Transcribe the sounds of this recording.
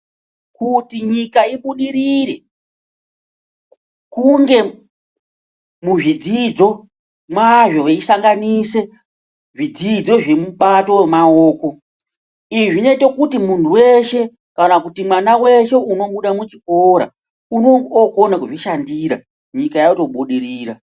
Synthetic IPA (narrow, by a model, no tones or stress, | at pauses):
kutiɲikaiɓuɗiɾiɾe̞ | kuŋɡe̞ | muʐid͡zid͡zo̞ | mwaʐoweisaŋɡanise̞ | ʐid͡zid͡zo̞ʐe̞muɓato̞wemaoːko̞ | iʐine̞te̞kutimuntʰuwe̞ʃe̞ | kanakutimwanawe̞ʃe̞uno̞ɓuɗamut͡ʃiko̞ɾa̰ | unookonakuʐiʃandiːɾa̰ | ɲikajauto̞ɓuɗiɾiːɾa